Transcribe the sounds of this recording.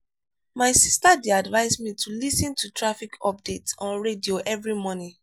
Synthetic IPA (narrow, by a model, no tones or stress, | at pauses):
maɪsistadeadvaɪsmitʰulisɔ̃ntʰutʰɹafikʰɔp̚detɔ̃nɹedioʔɛvɹimɔnĩ